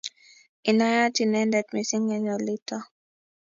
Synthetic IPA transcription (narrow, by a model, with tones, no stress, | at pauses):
i˨na˦ja˦ti˨nɛ˦ndɛ˨tmi˨si˦ŋɛ˦ɲɔ˨li˦tɔ˦